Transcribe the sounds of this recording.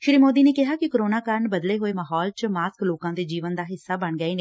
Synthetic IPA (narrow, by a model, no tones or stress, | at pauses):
ʃɾiːmoːd̪iːneːkɪɦaːkɪkəɾoːnaːkəɾəɳbəd̪leːɦoːeːmaːɦɔːlt͡ʃmaːskloːkãːd̪eːd͡ʒiːʋənd̪aːɦɪsːaːbəɳɡəiːne